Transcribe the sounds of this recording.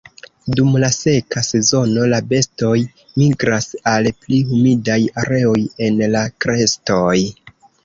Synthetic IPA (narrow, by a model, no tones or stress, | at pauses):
dumlase̞kase̞zo̞no̞labe̞sto̞j | miɡɾasalplihumidajaɾe̞o̞je̞nlakɾe̞sto̞j